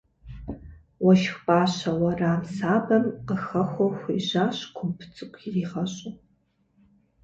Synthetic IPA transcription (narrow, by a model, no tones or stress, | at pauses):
wɐʃxʷpʼaːɕɐwɐraːmsaːbɐmqəxɐxʷɔxʷiʒaːɕkʷʰʊmpʰt͡sʼɨkʷʰʼiriːʁɐɕʼʊ